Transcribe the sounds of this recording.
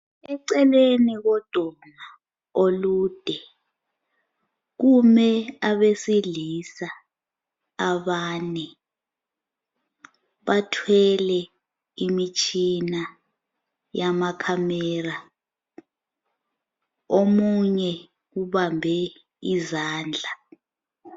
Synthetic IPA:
ɛǀɛleniɣɔd̥ʱɔma | olud̥ʱɛ | ɣ̬umɛaβesilisaː | βanɛ | βatʰwɛlɛ | imit͡ʃʼʰina | jamakʰamɛra | omuɲɛ | uβambʱɛ | izaːnd͡ɮʱa

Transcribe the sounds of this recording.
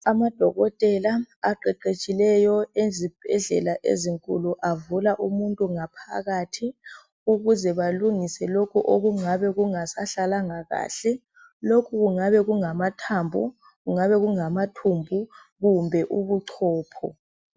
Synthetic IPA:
amad̥ʱɔɣɔtʼɛlaaǃɛǃet͡ʃʼilɛjɔezib̥ʱɛɮɛlaʔḛziŋkʼṵluʔavulaʔumuntʼuŋapʰa̰ɣatʰi | uɣuzɛβaluŋisɛlokʰuʔoɣuŋaβɛɣuŋasaɬalaŋaɣa̰ːɬɛ | lokʰuɣuŋaβɛɣuŋamatʰambʱu | ɣuŋaβɛɣuŋamatʰumbʱu | ɣumbʱɛʔuβuǀʰɔːpʰɔ̰

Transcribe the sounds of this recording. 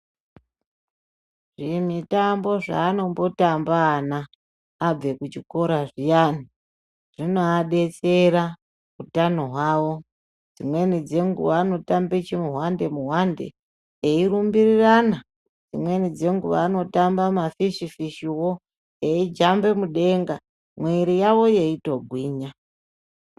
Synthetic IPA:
ʐ̥imitambo̞ʐa̰ːno̞mbo̞tambaːnaː | b͡ve̞kut͡ʃiko̞ɾaʐijaːni | ʐ̥ino̞aɗe̞t͡se̞ɾa | kutanoɦwaːwo̞ | d͡zimwe̞nid͡ze̞ŋɡṵʋaːno̞tambit͡ʃimuɦwande̞muɦwande̞̰ | eiɾumbirirana | d͡zimwe̞nid͡ze̞ŋɡuʋa̰ːno̞tambamafiʂifiʃiwo | eid͡ʒambe̞muɗe̞ŋɡa | mweiɾijaʋo̞je̞ito̞ɡʱwiːɲa

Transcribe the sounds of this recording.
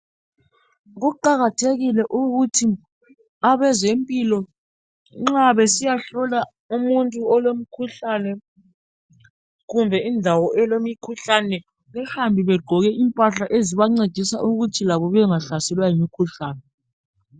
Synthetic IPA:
ɣuǃaɣatʰeɣilɛʔuɣutʰi | aβɛzempʼilɔ | ŋ͡ǁaβɛsijaɬɔla | umuntʼuɔlom̩kʰuɬanɛ | ɣumbʱɛindʱawɔʔɛlomikʰuɬanɛ | ŋɛhambʱiβɛɡ͡ǃʱɔɣɛʔimpʼaɬaʔeziβaŋ͡ǀed̥ʱisaʔuɣutʰilaβɔβɛŋaɬasɛlwajimikʰuɬaːnɛ

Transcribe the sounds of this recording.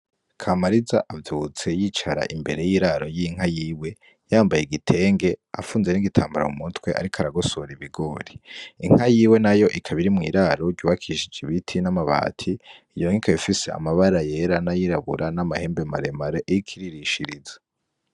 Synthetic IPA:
kʰamaɾiza̰ʔavjuut͡se̞jiːt͡ʃaɾa̰ʔimbe̞ɾe̞jiːɾaɾo̞jiŋ̥ɦajiːwe̞ | jaːmbajeɡitʰe̞ːŋɡe̞a̰fuːnze̞niɡitʰaːmbaɾa̰umutwe̞ʔa̰ɾikʰaɾaɡosoɾiβiɡo̞ːɾiiŋ̥hajiːwe̞najo̞ʔikʰaβiɾimŋḭːɾaɾo̞ɟɟuβakʰiʃid͡ʒiβitʰinamaβa̰ːtʰiijo̞ŋikʰajifise̞a̰maβaɾaje̞ɾanajiɾaβṵɾʔanamahe̞ːmbe̞maɾe̞maɾeʔejikʰiɾiɾiʃiɾiza

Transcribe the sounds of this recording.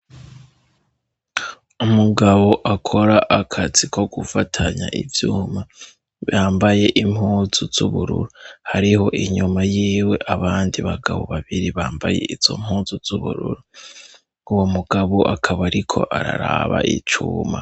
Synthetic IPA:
umuɡaβo̞ʔakʰo̞ɾaʔakʰaz̥ikʰo̞ɡufatʰaɲa̰ʔivjuːma | βjaːmbaje̞ʔim̥huːzuz̥uβuɾṵɾuhaɾiho̞ʔiɲumajiːwe̞ʔaβaːndiβaɡaβo̞̰βaβiɾiβaːmbaje̞̰ʔiz̥o̞̰m̥huːzuz̥uβuɾuɾu | uwomuɡ̥aβoʔakʰaβaɾikʰo̞̰ʔaɾa̰ɾaβa̰ʔḭt͡ʃuːma

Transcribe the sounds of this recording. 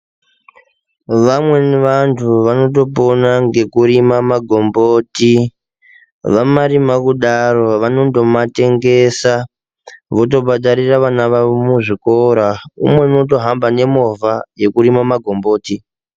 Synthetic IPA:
ʋamwe̞niʋantʰuʋano̞t̬o̞p̬onaŋɡe̞kuɾimamaɡʱo̞mbo̞ːti | ʋamaɾimakuɗaro̞ʋano̞ndo̞mate̞ŋɡe̞sa | ʋo̞t̬o̞bʱaɗaɾiraʋanaʋamuʐikoɾaṵmwe̞uno̞to̞ɦambane̞mo̞vaje̞kuɾimamaɡʱo̞mbo̞ːti

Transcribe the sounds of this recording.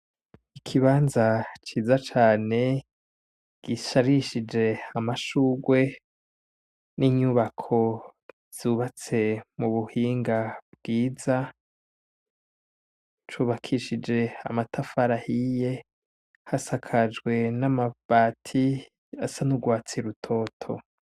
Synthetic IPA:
ikʰiβaːnzat͡ʃiːzat͡ʃaːne̞ | ɡ̥iʃaɾiʃid͡ʒe̞amaʃuɡwe̞ | niɲuβakʰo̞ | z̥uβat͡se̞muβuhiːŋɡabɡiːza | t͡ʃuβakʰiʃid͡ʒe̞a̰matʰafaɾahije̞ | hasakʰad͡ʒɡwe̞namav̥aːtʰi | asanuɡwaːt͡siɾutʰo̞ːtʰo̞̰

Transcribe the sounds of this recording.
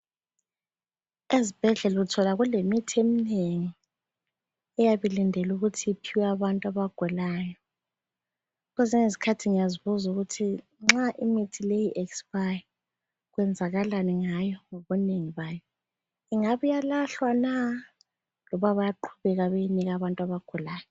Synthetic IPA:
ezib̥ʱɛɮɛluutʰɔlaɣulemitʰiemineŋi | ɛjaβilindʱɛluɣutʰiipʰiwɛaβantʼaβaɡ̥ʱulaːjɔ | ɣɔzɛŋesi̥kʰatʰiŋijaziβuzuɣutʰi | ŋ͡ǁaʔimitʰilejiʔɛksb̥aj | ɣwɛnd͡zʱaɣalaniŋajɔŋoβɔneŋiβaːjɔ | iŋaβujalaɬwana | lɔβaβajaǃʰuβɛɣaβejiniɣaβantʼaβaɡ̥ʱulaːjɔ

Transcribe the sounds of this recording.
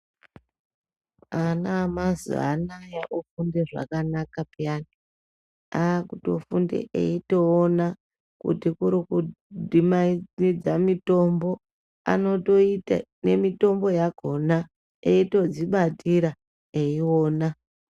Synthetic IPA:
anamazṵa̰najaʔufundeʐa̰kanakapani | akutofundḛʔḛito̞ːna | kṵtikuɾiku | dʱimaid͡zamito̞mbo̞ | a̰no̞to̞ita̰ne̞mito̞mbo̞jaɡʱo̞na | eito̞d͡ziɓatʰiɾa | eiwo̞ːna

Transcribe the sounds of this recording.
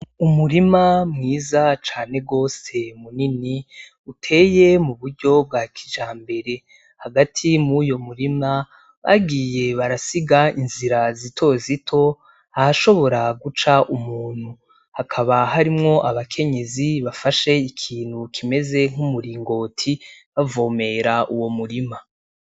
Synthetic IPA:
umuɾimamŋiːzat͡ʃaːn̥e̞ɡo̞ːse̞munini | utʰe̞ːje̞muβuɾɟo̞b̚ɡaːkʰi̥ʒaːmbe̞ɾe̞ | haɡatʰimujo̞muɾima | βa̰ɡiːjeβaɾasiɡainziɾazitʰo̞zitʰo̞ | ahaʃo̞βo̞ɾaɡut͡ʃaʔumuːn̥hu | hakʰaβaɦaɾimŋo̞ʔaβakʰe̞ɲe̞ziβafaʃe̞ikʰiːn̥hukʰime̞ze̞ŋ̥humuɾiːŋɡo̞ːtʰiβavo̞ːme̞ɾaʔuwo̞muɾima

